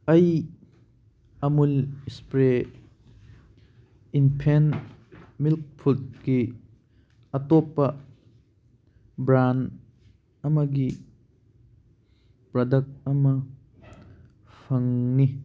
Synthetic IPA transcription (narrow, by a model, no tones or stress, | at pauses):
ɐj | ɐmulspɾe | inpʰen | milk̚pʰut̚ki | ɐt̪ɔpːɐ | bɾan | ɐmɐɡi | pɾɐdɐk̚t̚ɐmɐ | fʰɐŋni